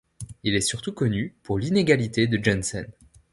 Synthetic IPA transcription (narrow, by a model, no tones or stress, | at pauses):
ilɛsyʁt̪ukɔnypuʁlineɡalit̪ed̪əd͡ʒɛnsɛ̰n